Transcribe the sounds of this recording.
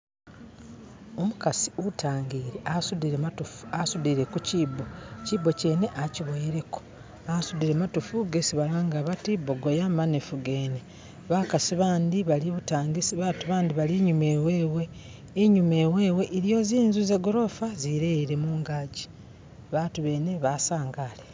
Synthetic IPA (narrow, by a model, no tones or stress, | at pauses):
omukasi̥utʰaːŋɡiːɾeʔasudiuasudiɾe̞kuciːbo̞cibo̞ce̞ːne̞ʔaciβojiɾe̞ko̥ | asud̪iɾematufuɡesiβalaːŋɡaβatiboɡojamanefuɡe̞ːne | βakasiβaːndiβaliβutaːŋɡisiβaːtuβaːndiβaliɲume̞we̞ːwe̞ː | ɲume̞ːwe̞ːwe̞ʔiɾjo̞ziːnzuzeɡo̞ɾo̞faziɾeiɾe̞muːŋɡaːɟi̥ | βaːtuβe̞ne̞βasaːŋɡaːle